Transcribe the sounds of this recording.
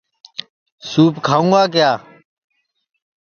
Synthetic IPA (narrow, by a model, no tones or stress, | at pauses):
suːpkʰaːũːɡaːk̬ɪjaː